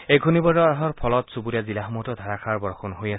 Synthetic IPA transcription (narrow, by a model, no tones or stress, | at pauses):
ejɡʱunibɔɔaɦɔɹpʰɔlɔtsubuɾiazilaɦmutɔdʱaɹakʰaɹbɔɹɔxɔnɦojasɛ